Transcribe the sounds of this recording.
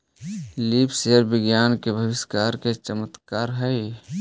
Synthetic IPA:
liːpseɾbɪɡjaːnkebʱəʋɪskaːɾket͡ʃəmət̪kaːɾɦəj

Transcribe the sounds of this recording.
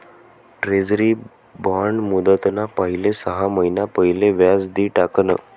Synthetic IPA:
ʈɾed͡zɾi | bɔɳɖmud̪ət̪napəɦilesəɦaməɦinapəɦilẽʋjad͡zd̪iːʈaknə

